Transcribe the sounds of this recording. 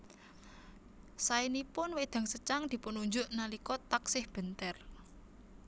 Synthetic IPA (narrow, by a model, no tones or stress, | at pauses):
sainipʊnwed̪̥a̤ŋsət͡ʃaŋd̪̥i̤pʊnuɲd͡ʒʊʔnalikɔt̪aksɪhb̥ə̤nt̪ɛr